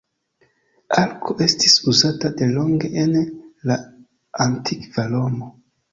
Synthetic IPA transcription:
alkʰo̞ʔe̞stisuzatade̞lo̞ŋɡe̞ʔenla | antʰikvalomo

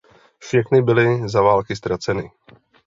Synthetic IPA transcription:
fʃɛxnɪbɪlɪzavaːlkɪst̪ɾat͡sɛnɪ

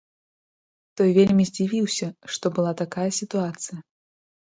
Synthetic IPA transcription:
t̪ɔjvʲelʲmʲizʲd͡zʲivʲiwsʲɐʂt̪ɔbɨlˠat̪akajɐsʲit̪uat̪sɨjɐ

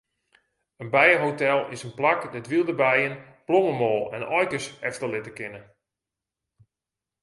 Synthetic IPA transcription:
ənbɛjəɦotɛlˠɪsənplakdɛtʋilˠdəbɛjənploŋəmɔːlˠɛ̰nɔjkəsɛftəlɪtəkɪnə

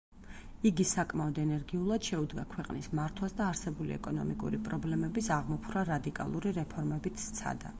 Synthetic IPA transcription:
iɡisakʼmaɔd̪ɛnɛɾɡiulˠad̪̥ʃɛud̪ɡakʰwɛqʼnismaɾt̪ʰwasd̪aːɾsɛbulḭɛ̰kʼɔnɔ̰mikʼṵɾipʼɾɔblɛmɛbisaʁmɔpʰɾaɾad̪ikʼa̰lˠuɾiɾɛpʰɔɾmɛbit̪ʰt̪sʰa̰d̪a̰

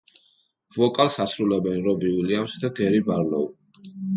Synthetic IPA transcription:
vɔkʼalsasɾulɛbɛnɾɔbiuliamsd̪aɡɛɾibaɾlɔ̰u

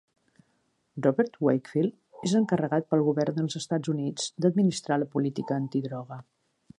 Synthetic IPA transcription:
rɔβɛɾt̪wejkfilˠ | ezəŋkərəɣat̪̚pəlˠɣuβɛrnd̪əlˠzəst̪ad͡zunid͡zd̪əd̪̚minist̪ɾaləpulit̪ikəːnt̪iðɾɔɣ̞ə

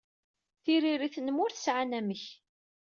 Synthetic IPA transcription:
θiɾiɾiθnəmʊɾθəsʕanæməç

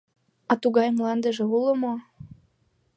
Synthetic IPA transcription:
ɑt̪uɣɑjmlɑnd̪ə̆ʒĕuləmo

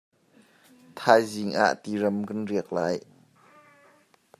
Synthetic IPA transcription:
t̪ʰaːjziŋʔa̰ʔt̪iːɾɐmkanriək̚laːj

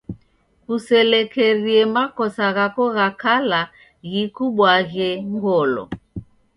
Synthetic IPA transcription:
kusɛlɛkɛɾiɛmakɔsaɣakɔɣakala | ɣikuɓwaɣɛŋɡɔlɔ̰

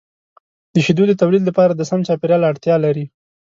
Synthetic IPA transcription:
d̪əʃid̪ud̪ət̪awlid̪lapɑɾad̪əsamt͡ʃɑpeɾjɑlaɽt̪jɑlaɾi

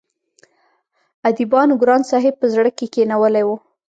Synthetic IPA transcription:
ad̪ibɑnɡɾɑnsɑɦɪb̚pəzɽəkekenawəlajwu

